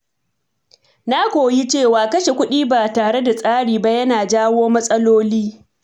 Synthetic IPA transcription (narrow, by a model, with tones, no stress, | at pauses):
na˦kʷoː˨ji˦t͡ʃeː˦˨waː˨kɐ˦ʃe˨kʷʊ˦ɗiː˦baː˨taː˨ɽe˦da˨sʼaː˦ɽiː˨ba˦jɐ˦naː˨d͡ʒaː˦woː˦mɐ˦sʼɐ˦loː˦liː˦